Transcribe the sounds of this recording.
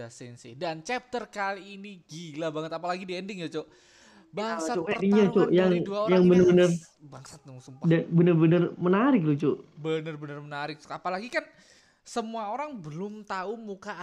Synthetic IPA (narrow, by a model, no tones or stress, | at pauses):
asɛnsɪ̰dant͡ʃɛp̚t̪ərkaliːniɡilabaŋət̪apalaɡidiɛndɪŋd͡ʒat͡ʃo | baat͡ʃoɛdɪŋɲat͡ʃojaŋduaoɾjaŋbənəbənər | baŋsat̪̚dabənərbənərmənaɾɪk̚lut͡ʃobənərbənərmənaɾɪk̚t͡ʃkapalaɡikan | səmuaoɾaŋbəlʊmt̪aumuka